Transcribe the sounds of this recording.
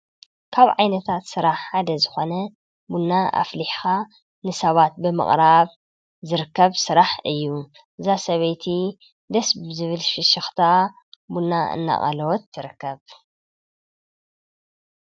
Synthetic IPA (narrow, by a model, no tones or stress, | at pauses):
kʰaβʕajnɐt̪ʰat̪sɨɾaħħad̪ɐzɨxo̞nɐ | bunːaʔa̰fliħxa | nɨsɐβat̪̚bɨmɨ̰χʼɾaβ | zɨɾɨkːɐβsɨɾaħɨjːu | ʔɨzasɐβɐjt̪ʰi | d̪ɐsbzɨβɨlʃɨʃɪxt̪ʰaa | bunːaɨ̰nːa̰ʔʼɐ̰lɐwɔt̪ːɨɾɨkːɐβ